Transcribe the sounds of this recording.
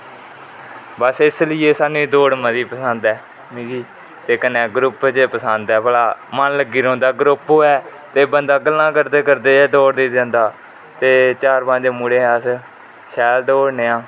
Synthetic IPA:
bəsɪslɪeːsaːnũːiːd̪oːɽməd̪iːpəsənd̪ɛː | miːɡiː | t̪eːkənẽːɡɾʊpt͡ʃepəsənd̪ɛːbəlaːmənləɡːiːɾõːnd̪aːɡɾʊpɦoːɛːt̪eːbənd̪aːɡəlnãːkəɾd̪eːkəɾd̪eːd̪oːɽd̪eːd̪ɛ̃ːnd̪aː | t̪eːt͡ʃaːɾpãːd͡ʒeːmuːɽeːs | ʃɛːld̪oːɽneːãː

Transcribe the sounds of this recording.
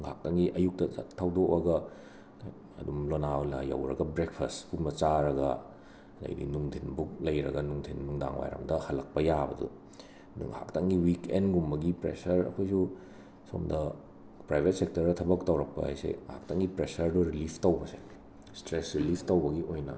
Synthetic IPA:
ŋɦa̰k̚tɐŋɡiʔɐjuk̚tɐ̰tʰːawdokɐɡɐ | ɐ̰dumlonawlɐ̰jɐ̰wɾɐ̰ɡɐbɾek̚pʰɐstpunmɐt͡ʃaɾɐɡɐ | dɐ̰jdḭnuŋtʰinbuk̚lɐjɾɐɡɐnuŋtʰinnuŋda̰ŋwa̰jɾɐ̰mdɐhɐlɐk̚pɐjabɐdṵ | dṵŋha̰ktɐŋɡiwikenɡumbɐɡipɾḛsɐɾɐ̰kʰojsu | so̰mdɐ | pɾajbʱet̚sek̚tɐɾdɐtʰɐbɐktɐwɾɐk̚pɐ̰a̰jsḛa̰k̚tɐŋɡipɾesɐɾduɾilipʰtɐwbɐse | stɾesɾilipʰtɐwbɐɡiʔojnɐ̰

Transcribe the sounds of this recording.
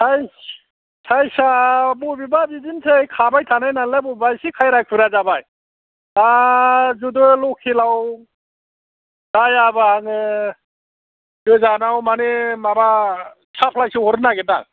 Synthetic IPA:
saj | sʰajsabubibabidinsʰejkʰabajtʰanajnanlabubajsikʰajɾajkʰpʰɯɾazabaj | d̥azudɯlɔkʰːilaw | d̥ajabaŋɯ | zɯzanawmanemaba | sʰapʰlajsihɔɾɯnaɡeta̰ŋ

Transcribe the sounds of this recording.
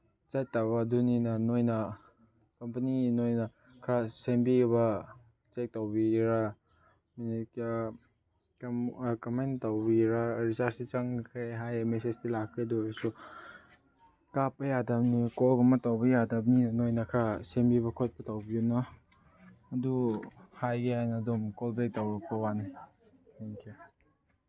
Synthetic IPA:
t͡ʃajtaβɐduninɐnojnɐ | kɐmpɐninojnɐ | kʰɾasembiɡβɐ | t͡ʃek̚tawbiɾa | minik | kmkɐmajntawbiɾaɾisaɾsit͡ʃɐŋkʰɾeɦajmesestilakʰɾedoɾsu | kapːɐjadap̚nikɔlɡɐmɐtawbɐjadap̚ninojnakʰasembiβɐkʰot̚pɐtawbiunaː | duhajɡeajnɐːdumkolbek̚tawɾɐk̚pɐwani | eŋkʰe

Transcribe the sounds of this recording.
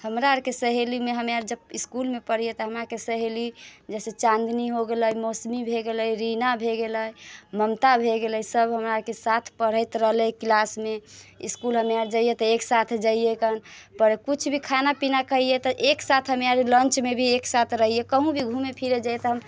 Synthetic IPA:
həmɾaɾkesəɦelimeɦəmaɾd͡ʒəbiskulmepəɽijet̪ɔɦəmɾakesəɦelid͡ʒɛset͡ʃãnd̪niɦoɡeləjmosmibʱeɡeləɾinabʱeɡeləjməmt̪abʱeɡeləjsəbɦəmɾaɾkesat̪ʰpəɽ̤əjt̪ɾəɦlɛklasmeiskulɦəmaɾd͡ʒəijet̪ɔeksat̪ʰd͡ʒaijekənpəɾekut͡ʃʰbʱikʰanapinakəɦijet̪ɔʔeksat̪ʰɦəmaɾlənt͡ʃmebʱieksat̪ʰɾəɦijekəɦũbʱiɡʱumepʰiɾed͡ʒajet̪ɔɦəm

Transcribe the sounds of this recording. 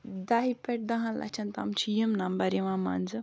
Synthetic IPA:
d̪aɦipeʈ̚d̪ɐɦãla̰t͡ʃʰɐnt̪amt͡ʃʰijimnɐmbɐɾiʋãma̰nd͡zɨ

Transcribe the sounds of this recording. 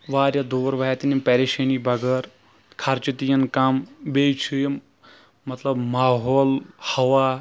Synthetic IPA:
ʋaːɾjɐd̪oːɾʋaɐt̪inipɛɾeʃenibʱɐɡɐɾ | kʰɐɾt͡ʃit̪ijɐnkambejt͡ʃʰuj | mɐt̪lɐbmaːɦoːlhɐʋa

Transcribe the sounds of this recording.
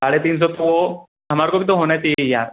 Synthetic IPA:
saɽet̪iːns̬ɔt̪o | ɦəmaɾkobʱit̪oɦonat̪ijaɾ

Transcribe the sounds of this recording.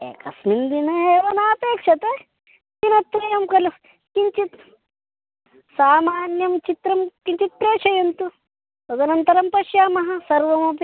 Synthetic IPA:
ḛːkɐsmind̪inɐeːʋɐnaːpeːkʂɐt̪e | tinɐt̪ʋɐjɐmkɐlu | kiɲt͡ʃit̪ | saːmaːnjɐmt͡ʃit̪ɾɐmkiɲt͡ʃit̪̚pɾeːʂɐjɐnt̪u | t̪ɐd̪ɐnɐnt̪ɐɾɐmpɐʃjaːmɐɦɐ̆sɐɾʋɐmɐp

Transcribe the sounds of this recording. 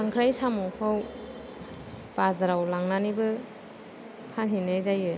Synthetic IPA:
aŋkʰɾajsamukʰaw | b̥azaɾawlaŋnanibɯ | pʰanɦinajzajɯ

